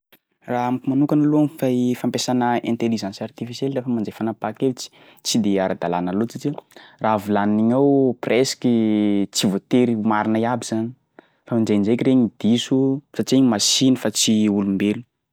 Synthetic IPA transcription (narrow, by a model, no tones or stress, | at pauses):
raɦamkumanukanaluamfaifampesanəẽnt̪eliʒãnsart̪ifiselrefəmand͡zejfanapakevit͡si̥ | t͡sid̪eaɾad̪alanalot͡sit͡siravilanniɲawpresi̥kit͡sivot̪eɾimaɾinaiabiz̥ani̥ | famand͡ʒejnd͡ʒekireɲid̪̥isusat͡ʃieɲimasinəfat͡siulumbelu